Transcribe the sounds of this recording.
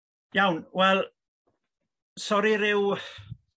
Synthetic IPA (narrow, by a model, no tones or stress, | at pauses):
jawnwɛlˠ | sɔɾiɾɪw